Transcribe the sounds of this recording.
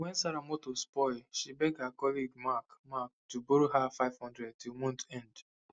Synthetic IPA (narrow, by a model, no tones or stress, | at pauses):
wɛ̃nsaɾamɔtospɔɪlʃibɛɡ̚dhakɔliɡmakmak̚tuboɾoɦafaɪv̥hɔ̃ndɹɛd̚tilmɔ̃ntɛ̃nd